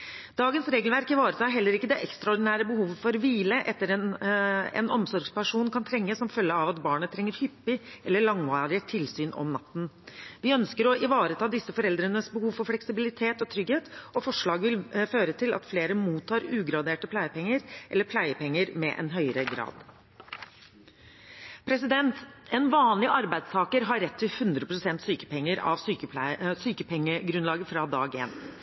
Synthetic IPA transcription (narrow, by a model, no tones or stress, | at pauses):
d̪̥ɑːɡənsɾeːɡəlʋæɾkɪʋɑːɾət̪ʰɑːɦɛlːəɾɪkːəd̪ɛʔɛkst̪ɾɑɔɖɪnæːɾəbəhuːʋəfɔɾʋiːləʔɛt̪ːəɾɛnɛ̰nɔmsɔɾɡspæʂuːnnkʰɑnt̪ʰɾɛŋːəsɔmfœlːəɑʋɑt̪bɑːɳət̪ʰɾɛŋːəɾhʏpːɪʔɛlːəɭɑŋʋɑːɾɪət̪ʰɪlsyːnɔ̰mnɑ̰t̪ːn̩ʋɪœnskəɾɔʔɪʋɑːɾət̪ʰɑːd̪ɪsːəfɔɾɛld̪ɾənəsbəhuːʋfɔɾflɛksɪbɪlɪt̪ʰeːt̪ɔt̪ʰɾʏɡheːt̪ɔfɔʂɭɑːɡʋɪlføːɾət̪ʰɪlʔɑ̰t̪fleːɾəmuːt̪ʰːɑːɾʉːɡɾɑd̪eːʈəpʰlæɪəpʰɛŋːəɾʔɛlːəɾpʰlæɪəpʰɛŋːəɾmɛ̰ʔɛ̰nɦœʏɾəɡɾɑ̰ːd̪ | pʰɾɛsɪd̪ɛnt̪ɛnʋɑːnlɪʔɑɾbæɪd̪st̪ʰɑːkəɾɦɑɾɛt̪ʰːɪlhʉnd̪ɾəpɾʊsɛnt̪syːkə̥pɛŋːəɾɑ̰ʋsyːkəsyːkəpʰɛŋːəɡɾʉnlɑːɡəfɾɑd̪ɑ̰ːɡḛːn